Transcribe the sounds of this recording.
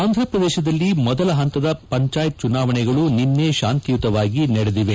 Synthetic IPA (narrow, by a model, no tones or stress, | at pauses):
aːnd̪ʱɾɐpɾɐd̪ɛːʃɐd̪ɐlːimɔd̪ɐlɐɦɐnt̪ɐd̪ɐpɐɲt͡ʃaːjt̪̚t͡ʃunaːʋɐɳɛɡɐɭuninːeːʃaːnt̪ijut̪ɐʋaːɡinɐɽed̪iʋe